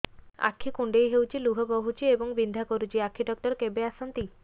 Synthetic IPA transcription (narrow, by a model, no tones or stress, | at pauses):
a̰kʰːikuɳɖejɦewt͡ʃʰiluɦɔboɦut͡ʃʰieboŋbind̪ʱakoɾut͡ʃʰiakʰːiɖɔk̚ʈɔɾkebeasɔnt̪i